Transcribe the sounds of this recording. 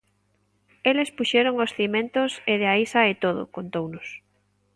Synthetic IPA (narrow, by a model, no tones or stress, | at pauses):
elespuʃeɾoŋosθimẽnt̪oseðeaisɐet̪oð̞o̰kont̪ownʊs